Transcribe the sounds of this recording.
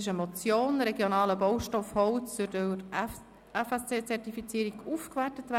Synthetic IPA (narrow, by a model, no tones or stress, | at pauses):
ɪʃəmot͡sjoːnɾɛɡjonɑːləbɔwʃtɔfhɔwt͡ssʊd | ɛfɛst͡seːt͡sɛrtifit͡siːɾiɡufkvætətvæ